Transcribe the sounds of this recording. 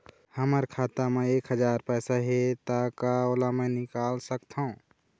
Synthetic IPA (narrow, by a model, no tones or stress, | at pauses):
həməɾkʰaːt̪amẽeːkɦəd͡ʒaːɾpɛːsaɦet̪akaoːlamɛ̃nɪkaːlsəkt̪ɦaũ